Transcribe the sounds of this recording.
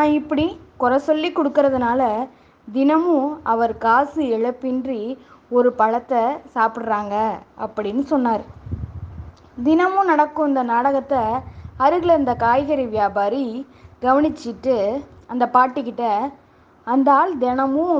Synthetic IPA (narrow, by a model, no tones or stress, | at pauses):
nãːɪpːɐɽikɔɾɐsɔlːikːɔɽɯkːɯɾɐðɯnaːlɐ | d̪ɪnɐmɯ̃ɐʋɐɾkaːsɯɛɻɐpːɪndriɔɾɯpɐɻɐt̪ːɐsaːpɪʈɾaːŋɡɐɐpːɐɽɪnːɯsɔnːaːɾ | d̪ɪnɐmɯ̃nɐɽɐkːɯ̃ɪnd̪ɐnaːɽɐɣɐt̪ːɐɐɾɯɣɪɭɪɾɯnd̪ɐkaːjɣɐɾiʋjaːbaːɾi | ɡɐʋɐɳɪt͡ʃːɪʈːɯɐnd̪ɐpaːʈːɪkːɪʈːɐ | ɐnd̪aːld̪ɛnɐmɯ̃